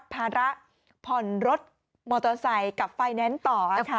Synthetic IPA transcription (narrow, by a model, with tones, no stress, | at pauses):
pʰːaː˧ɾa˦˥ʔ | pʰɔ˨˩nɾo˦˥t̪̚ | mɔː˧t̪ɔ˧sa˧˩jka˨˩p̚fa˧jnɛ˦˥nt̪ɔː˨˩ʔa˨˩kʰa˦˥˧